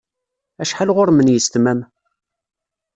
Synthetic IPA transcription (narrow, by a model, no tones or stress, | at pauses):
æʃħalʁʊɾmənjəst̪mæm